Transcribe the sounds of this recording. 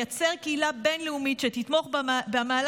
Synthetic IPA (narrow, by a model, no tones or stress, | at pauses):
at͡seʁkeilabe̞nleumitʃet̪it̪mo̞χbmaːl